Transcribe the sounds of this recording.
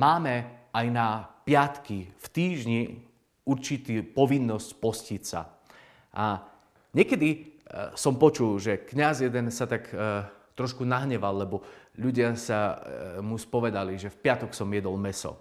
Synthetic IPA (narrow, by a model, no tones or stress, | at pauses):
maːmɛajnapɪat̪kift̪iːʒɲi | uɾt͡ʃit̪iːpɔʋinːɔscpɔscisa̰ | ʔa | ɲɛkɛd̪isɔmpɔt͡ʃulʒɛkɲazjɛd̪ɛnsat̪akt̪ɾɔʃkunaɦɲɛʋalːɛbɔʎuɟɪasamuspɔʋɛd̪aliʒɛfpɪat̪ɔksɔmjɛd̪ɔlmɛsɔ̰